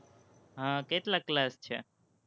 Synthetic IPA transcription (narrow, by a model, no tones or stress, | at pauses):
ɦãkeʈ̪laklast͡ʃʰḛ